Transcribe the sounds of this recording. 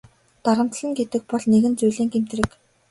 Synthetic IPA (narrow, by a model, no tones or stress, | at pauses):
t̪aɾə̆mt̪ɮɘ̆ŋɡet̪ɘ̆k̚pɔɮneɣɘ̆nt͡sujɮeːŋɡem̥t̪̆rɘ̆k